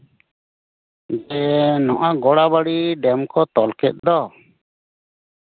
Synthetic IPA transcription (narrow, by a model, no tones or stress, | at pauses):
d͡ʒɛnɔʔaɡɔɽabaɽiɖɛmkɔt̪ɔlkɛt̪̚ˀd̪ɔ